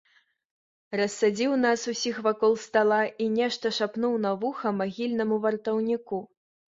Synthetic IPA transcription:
rɐsːad͡zʲiwnasusʲixvakɔlˠst̪alˠaʔinʲɛʂt̪ɐʂapnuwnavuxɐmaɣʲilʲnɐmuvɐrt̪ɐwnʲiku

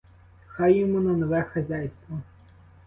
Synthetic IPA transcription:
xajɪmɔnɛnɔʋɛxɐzʲajst̪ʋɔ

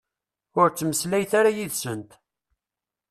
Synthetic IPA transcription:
ʊɾt͡sːməslæjθaɾajiðsənt̪

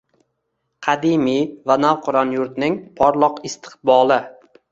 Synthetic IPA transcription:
qʰɑd̪ɪmivanawqʰʊɾɒnjʊɾt̪nɪŋpʰɒɾlˠɒqɪst̪ʰɨ̥qbɒlˠɪ

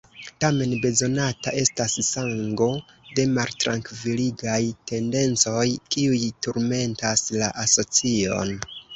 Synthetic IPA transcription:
tame̞nbe̞zo̞nataʔe̞stassaŋɡo̞ | de̞maltɾaŋkviliɡajte̞nde̞nt͡so̞jkiujtuɾme̞ntaslaʔaso̞t͡sio̞̰n

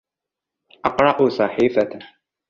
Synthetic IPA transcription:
ʔɑqɾˤɑʔʊsˤɑħiːfa

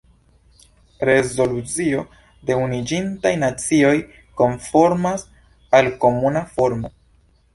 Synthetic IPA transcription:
ɾe̞zo̞lut͡sio̞ | de̞unid͡ʒintajnat͡sio̞j | ko̞nfo̞ɾmas | alko̞munafo̞ɾmo̞

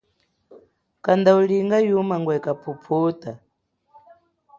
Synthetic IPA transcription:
kand̪auɺiŋɡajumaŋɡwɛkapʰupʰuːt̪ʼa

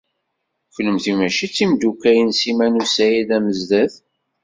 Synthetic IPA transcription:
çləmθimæʃit͡sːimd̪ukːæjənsimænusæjiðæməzd̪æð

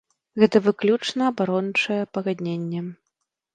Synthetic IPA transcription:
ɣɛt̪ɐvɨklʲut͡ʂnɐːbaɾɔnt͡ʂɐjɛpɐɣad̪ʲnʲenʲːɛ

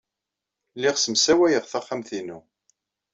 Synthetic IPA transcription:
lːɪʁsəmsæwæjəʁθæχːamθinṵ

